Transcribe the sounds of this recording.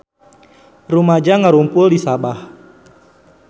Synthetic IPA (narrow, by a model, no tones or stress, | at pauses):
rumad͡ʒaŋəɾumpʊldisabah